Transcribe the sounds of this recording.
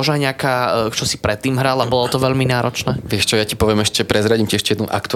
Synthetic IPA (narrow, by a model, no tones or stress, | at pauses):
ɔʒnaɲɛakaːt͡ʃɔsipɾɛt̪ːiːmɦɾalabɔlɔt̪ɔʋɛʎminaːɾɔt͡ʃnɛːʋɪɛʃt͡ʃɔjacipɔʋɪɛmɛʃcɛpɾɛzɾaɟimciɛʃcɛjɛd̪nuʔa̰kt̪u